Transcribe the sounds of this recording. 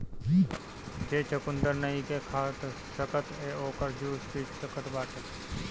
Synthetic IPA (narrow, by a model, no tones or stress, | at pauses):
d͡ʒiː | d͡ʒeːt͡ʃəkʊnd̪əɾnəikekʰaːt̪ | səkət̪eːoːkəɾd͡ʒuːspiːt͡ʃsəkət̪baːʈʰək